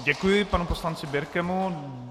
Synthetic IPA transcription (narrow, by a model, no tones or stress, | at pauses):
ɟɛkujɪpanuposlant͡sɪbjɪɾkɛmu